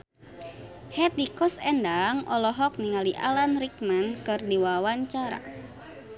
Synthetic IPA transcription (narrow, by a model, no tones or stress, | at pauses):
hɛt̪̚dikɔsɛndaŋɔlɔɦɔk̚niŋaliʔa̰lanrik̚mankɨrdiwawaɲt͡ʃaɾa̰